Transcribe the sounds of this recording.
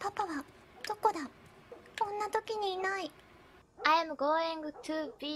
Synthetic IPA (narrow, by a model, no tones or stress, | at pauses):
papaβa | d̪̥oko̞d̪a | kõ̞nːat̪o̞kʲiɲ̟iːnai | ajamɯ̟ɡoːẽŋɡɯ̟t̪ɯːbʲi